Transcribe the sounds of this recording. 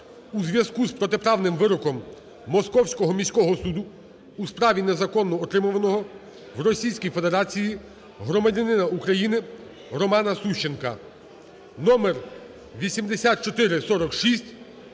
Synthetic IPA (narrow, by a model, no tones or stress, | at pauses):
uzʋʲjɐzkuspɾɔt̪epɾɑwnɪmʋɪɾɔkɔmː | ɔskɔwsʲkɔɦɔmʲisʲkɔɦɔsud̪ʊː | spɾɑʋʲinezɐkɔnːɔːt̪ɾɪmʊʋɐnɔɦɔ | wɾɔsʲijsʲkʲijfe̞d̪e̞ɾɑt͡sʲiji | ɦɾɔmɐdʲɐnɪnɐukɾɐjinɪ | ɾɔmɑnɐsuʃt͡ʃenkɐ̰ | nɔmer | ʋʲisʲimd̪esʲat̪̚t͡ʃɔt̪ɪɾɪsɔɾɔkʃisʲtʲ